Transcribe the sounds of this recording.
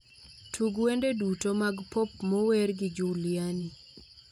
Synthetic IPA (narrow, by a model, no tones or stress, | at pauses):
tʰuɡwendedutomaɡpʰopmɔwerɡɪd͡ʒuljani